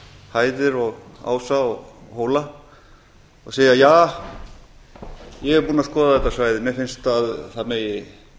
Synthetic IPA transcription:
haːjðɪɾɔɣa̰ːwsaɔɣhoːwla | ɔɣseːjajaː | jɛɣɛɾpuːnaskɔːðaðɛt̪ːasvaːjðɪmɛfɪnst̪aðθaðmejɪ

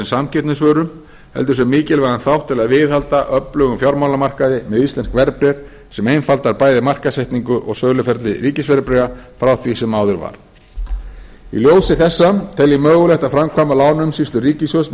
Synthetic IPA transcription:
ɛnsamcʰɛt̪nɪsvœːɾʏm | hɛ̰l̪t̪ʏɾsɛmːiːcɪlvɛɾanθawht̪ʰːɪlaðvɪðhalt̪aʔœplœɣʏmfjawɾmawlamar̥kaðɪmɛðist̪lɛnskvɛɾpɾɛɾ̥ | sɛmejnfalt̪aɾpaːjðɪmar̥kasɛjht̪niŋkʏʔɔ̰ɣsœːlʏfɛɾt̪lɪɾiːcɪsvɛɾɪpɾɛɣafɾawθvisɛmaːwðʏɾva̰ɾ̥ | ḭljoːwsɪθɛsːamt̪ʰɛlɪmœːɣʏlɛht̪afɾamkʰvaːmalaːwnʏmsist̪lʏɾiːcɪsvœs

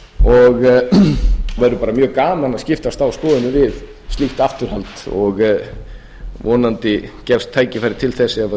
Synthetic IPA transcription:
ɔɣ | vajɾʏpaːɾamjœːɣkaːmanascɪft̪ast̪awskɔːðʏnɪvɪð | st̪lixt̪aft̪ʏɾ̥halt̪ɔɣ | vɔːnant̪ɪcɛfst̪ʰːaːjcɪfaɾɪ̥t̪ʰɪlθɛsːɪava

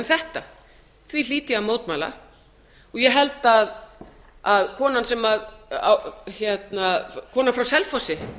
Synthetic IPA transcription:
nθɛht̪a | θvil̥iːt̪ɪamoːwt̪maːla̰ | ɔɣjɛɦɛlt̪að | aðkʰɔːnansɛmaða̰wçjɛt̪nakʰɔːnafɾawsɛlfɔsɪ

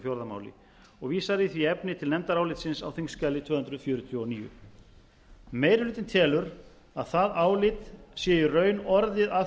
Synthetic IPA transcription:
fjowɾðama̰ːwlɪ̰ | ɔɣviːsaðɾiθviɛpnɪt̪ʰɪlnɛmt̪aɾaːwlɪt̪sɪnsa̰wθiŋscɛːlɪt̪ʰv̥œːhʏnd̪ɾʏfjʏːɾʏt̪ʰjɔniːjʏ̰ | meːjɾhlʏːt̪ɪnt̪ʰɛːlʏɾ | aðθaðaːwlɪt̪sjɛjʏrœːɥnɔɾðɪða

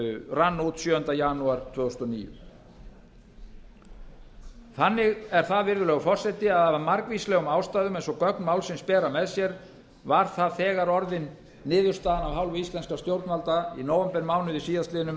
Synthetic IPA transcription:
ranːut̪sjœːʏnt̪ajanuaɾt̪ʰvœːɣʏst̪ɔnḭːjʏ̰ | θanːɪɣɛɾ̥θaðvɪɾðʏlɛːɣʏfɔr̥sɛt̪ɪaðavamaɾkvislɛːɣʏmaːwst̪aːjðʏmejnsɔkœknmaːwlsɪnspɛːɾamɛðsjɛɾ | vaɾ̥θaðθɛːɣaɾɔɾðɪnː | ɪːðʏɾst̪aːðanavɦawlvʏist̪lɛnskast̪jowɾt̪nvalt̪ainoːwɛmpɛɾmawnʏðisiːjast̪lɪːðɪnʏm

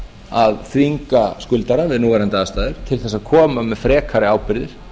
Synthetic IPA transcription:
aðθviŋkaskʏlt̪aɾavɪðnuːɣaɾɛnt̪aast̪aːðɪɾ̥t̪ʰɪlθɛsaðkʰɔːmamɛðfɾɛːkʰaɾɪaːwpɪɾðɪɾ̥

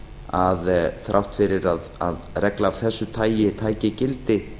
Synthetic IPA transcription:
aðθɾʔawht̪fɪɾɪɾaða̰ðrɛklaːvθɛsːʏt̪ʰaːjjɪt̪ʰaːjcɪcɪlt̪ɪ

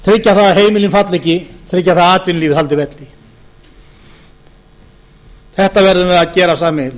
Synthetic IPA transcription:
t̪ʰɾɪcːaθaðɦeːjmɪlɪnfat̪lɛcɪt̪ʰɾɪcːaθaðaːt̪vɪnliːvɪðhalt̪ɪvɛt̪lɪ | θɛht̪avɛɾðʏvɛðaðcɛːɾasaːmɪl

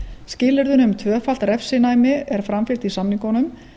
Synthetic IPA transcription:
scɪːlɪɾðʏnʏmt̪ʰvœːfal̥t̪ɾɛfsɪnaːjmɪɛɾ̥fɾamfɪl̥t̪isamniŋkɔnʏm

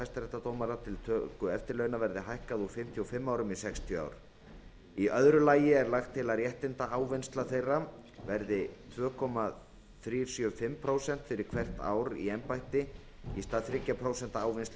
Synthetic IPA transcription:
ajst̪ɾɛht̪ːat̪oːwmaɾat̪ʰɪlt̪ʰœkʏɛft̪ɪɾlœːɥnavɛɾðɪɦajhkaðufɪm̥t̪ʰjɔfɪmːaːwɾʏmisɛkst̪ʰjʏa̰ːwɾ̥ | iœðɾʏlaːjɪɛɾlaxt̪ʰːɪlaɾjɛht̪ɪnt̪aaːwvɪnst̪laθejrːavɛɾðɪt̪ʰvœːkʰɔma | θɾiːɾ̥sjœfɪmpʰɾoːwsɛn̥t̪fɪɾɪɾ̥kʰv̥ɛr̥t̪a̰ːwɾḭɛnpajht̪ɪ | ist̪aðθɾɪcːapʰɾoːwsɛn̥t̪aaːwvɪnst̪l

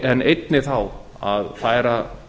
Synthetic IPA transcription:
ɛnejt̪̚nɪθaw | a̰ðfaːjɾa

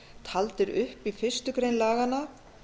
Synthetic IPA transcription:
t̪ʰalt̪ɪɾʏ̰hpifɪr̥st̪ʏkɾejnlaːɣanːa

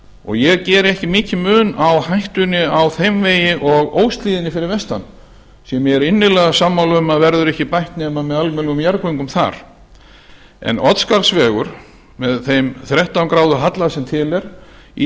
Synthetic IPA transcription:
ɔ̰ɣjɛɣcɛːɾɪɛhcɪmɪːcɪmʏːnawhajht̪ʏnɪawθejmveːjɪʔɔɣoːwst̪liːðɪnːɪfɪɾɪɾvɛst̪a̰n | sjɛmjɛɣɛɾɪnːɪlɛːɣasamːawlʏmaðvɛɾðʏɾɛhcɪpajht̪nɛːmamɛðalmɛlɣʏmjaɾkʏjŋkʏmθa̰ɾ̥ | ɛ̰nɔt̪skaɾsvɛːɣʏɾ̥ | mɛðθejmθɾɛht̪awŋkɾaːwðʏɦat̪lasɛmt̪ʰɪlɛɾ̥ḭ

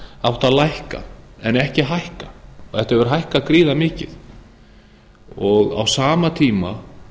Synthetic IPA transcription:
awht̪aðlajhka̰ɛnɛhcɪɦajhkaθɛht̪aɛvʏɾ̥ɦajhkakɾiːðamɪːcɪð | ɔɣa̰wsaːmat̪ʰiːma

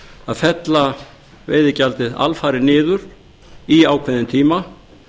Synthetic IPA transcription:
aðfɛt̪la | vḛjðɪcalt̪ɪða̰lfaːɾɪnɪːðʏɾ̥ | iaːwkʰvɪðɪnt̪ʰiːma

